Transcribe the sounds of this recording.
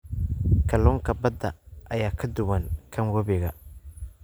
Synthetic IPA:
kʰɐlɔːŋkʰɐbɐd̪ɐʔɐjaːkʰɐd̪ʊwɐŋkʰɐŋwɔβɪɣɐ̰

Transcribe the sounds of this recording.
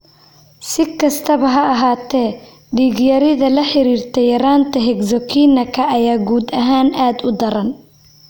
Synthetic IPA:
sɪkʰɐst̪ʰɐβɐɦɐɐɦaːt̪ʰɛː | ɖiːɣjɐɾɪðɐlɐħɪɾiːrt̪ʰɛjɐɾaːnt̪ʰɐɦɛɡzɔkʰiːnɐkʰɐʔɐjaːɡuːd̪ɐɦaːnʔaːd̪ʊd̪ɐɾɐn

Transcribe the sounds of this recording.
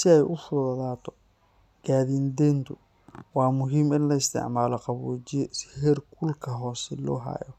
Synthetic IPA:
sɪɛjʔʊfʊðɐðaːt̪ʰɔ̥ | ɡ̥aːðind̪ɛnt̪ʰʊ | wɑːmʊɦiːmɪnlɐɪst̪ʰɪ̰ʕmaːlɔqɑβuːt͡ʃɪjshɛrkʰʊlkʰɐɦɔːsɛlɔ̰ːɦa̰ːjɔ

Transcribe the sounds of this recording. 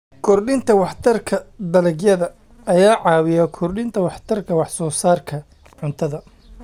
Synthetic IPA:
kʰɔrɗɪnt̪ʰɐwɑħt̪ʰɐrkʰɐd̪ɐlɛɡjɐðɐ | ɐjaːʕɑːwɪjɐkʰɔrɗɪnt̪ʰɐwɑħt̪ʰɐrkʰɐwɑħsɔːsaːrkʰɐ | ʕʊnt̪ʰɐðɐ

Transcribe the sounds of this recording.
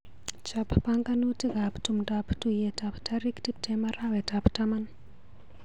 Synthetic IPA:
t͡ʃappaŋkanutiɡaptumdaptujetaptaɾiktip̚tʰɛmaɾawɛtaptaman

